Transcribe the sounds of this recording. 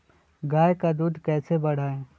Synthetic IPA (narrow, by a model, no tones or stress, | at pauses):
ɡaːjkad̪uːd̪ʱkɛːsebɐɽ̤aːeː